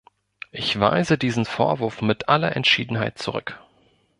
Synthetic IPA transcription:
ʔɪçv̥a̰ɪzədiːzn̩foːɐvʊɐfmɪtʔalɐʔɛ̰ntʃiːdn̩ɦaɪt̚t͡suʁʏk

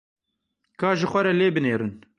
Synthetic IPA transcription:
kʰɑːʒɪxʷɐɾɛleːbɨneːɾɨn

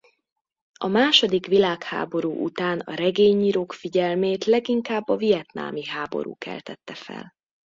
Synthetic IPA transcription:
ɒmaːʃo̞d̪ikʋilaːkha̰ːbo̞ɾuːʔṵt̪aːnɒ̰ɾɛɡeːɲiːɾoːkfiɟɛlmeːt̪lɛɡiŋkaːbːɒvijɛt̪na̰ːmiɦaːbo̞̰ɾṵːkɛ̰lt̪ɛt̪ːɛfɛ̰l

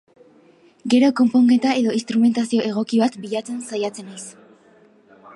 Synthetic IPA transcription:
ɡe̞ɾo̞ko̞mpoŋɡe̞t̪ae̞ðo̞ist̪ɾume̞nt̪asio̞ʔe̞ɣ̞o̞kiβat̪biʎat͡sensajat͡se̞najs

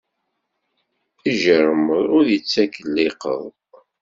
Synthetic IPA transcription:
iʒəɾəməðˤʊɾðjət͡sːækːəlːɪqə̰ðˤ

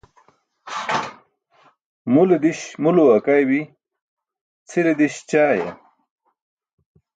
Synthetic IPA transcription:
muled̪iɕmuluɐkajwi | t͡sʰiɾed̪iɕt͡ɕaːjḛ

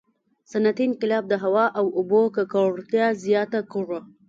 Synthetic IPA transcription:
sanat̪inqɪlɑb̚d̪əɦawɑʔawʊbokəkaɽt̪jɑzjɑt̪akəʐo

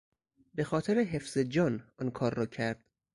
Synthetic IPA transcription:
be̞xɒːt̪ʰeɾeɦefz̥ed͡ʒɒːnɒnkʰɒːɾːɒːcʰæɾd̪̥

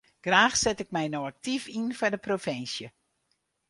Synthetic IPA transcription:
ɡ̥raːxsɛtɪk̚mɛjnoak̚tifinfardəprofɪnsjə

